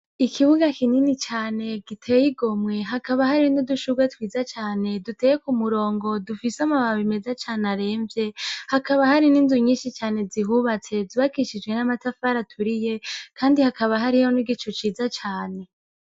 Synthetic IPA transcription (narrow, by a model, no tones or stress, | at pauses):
ikʰiβuɡakininit͡ʃaːne̞ɡ̥itʰeːjiɡo̞mŋe̞ɦakaβahaɾinoduʃuɡwetwiːzat͡ʃaːne̞duteːjekumuɾo̞ːŋɡo̞dufisamaβaaβime̞zat͡ʃaːneaɾe̞ːɱvje̞hakaβahaɾininzuɲiːnʃit͡ʃaːne̞ziɦuβat͡se̞ziβakiʃid͡ʒɡwe̞namatafaɾatʰuɾijekaːndihakaβaɦaɾihoniɡit͡ʃot͡ʃiːzat͡ʃaːne̞